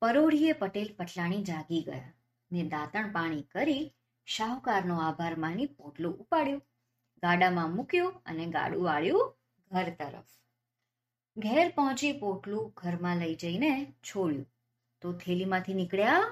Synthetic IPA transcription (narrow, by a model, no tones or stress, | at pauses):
pəɾoɽ̤iepəʈelpəʈʰlaɽ̃id͡ʒãɡiɡə̰ja̰ | ned̪at̪əɳ̃paɽ̃ikəɾi | ʃaukaɾnoabʱaɾmãnipoʈlũʔupaɽjũ | ɡaɽamãmukjũə̰neɡa̰ɽũʋaɭjũ | ɡʱəɾt̪əɾə̰f | ɡʱɛɾpɔɦɔ̃t͡ʃipoʈlũɡʱəɾmãləid͡ʒəinet͡ʃʰoɽjṵ̃ | t̪ot̪ʰelimãt̪ʰinɪkɭja